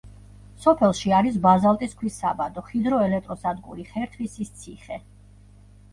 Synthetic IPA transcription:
sɔpʰɛlˠʃiaɾis̬bazalˠt̪ʼiskʰwisːabad̪ɔχid̪ɾɔɛlɛk̚t̪ʼɾɔsad̪ɡʼṵɾiχɛɾt̪ʰvisist̪sʰiχɛ

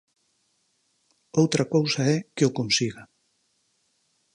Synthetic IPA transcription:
owt̪ɾɐkowsɐɛkeʊkonsiɣa

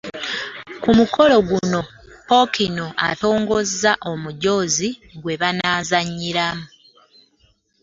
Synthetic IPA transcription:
kumukʰo̞lo̞ɡuno̞ | po̞kino̞a̰to̞ːŋɡo̞zaʔo̞muɟo̞ːziɡwe̞βanaːzaɲːiɾamu

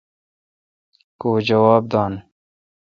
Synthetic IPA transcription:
koːd͡ʑɐwaːb̚d̪aːn

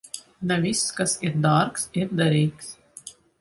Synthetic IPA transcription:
navʲisːkasiɾd̪aːɾksiɾd̪aɾʲiːks

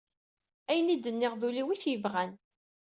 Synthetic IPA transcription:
æjənid̪ənːɪʁðuliwiθjəvʁæn

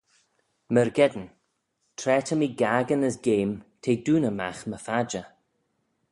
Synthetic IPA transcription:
məɹɡɛd̪n | tʰɾɛːtʰəmiːɡaːɡənəsɡeːmtʰeːduːnəma̰xməfad͡ʒə

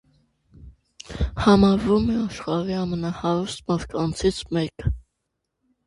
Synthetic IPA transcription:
hɑmɑɾvumɛɑʃχɑɾiɑmənɑhɑɾust̪̚mɑɾt̪̚kɑnt͡sʰit͡sʰmɛkə

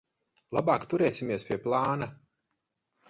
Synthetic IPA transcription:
lˠa̰baːkt̪uɾɛːsʲimʲiɛspʲiɛplˠaːna

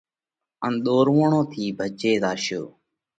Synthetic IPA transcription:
ənɗ̪oːɾʋoːɳõːt̪ʰiːbʱət͡ʃeːzaːʃjo̰ː

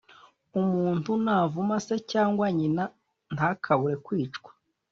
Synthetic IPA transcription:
umuːntunaːvumase̞caːŋɡwaɲina | naːkʰaβuɾe̞kwiːt͡ʃkwḁ

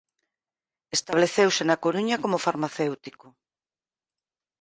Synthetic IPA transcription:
est̪aβleθewsenakoɾuɲakomofaɾmaθewt̪iko

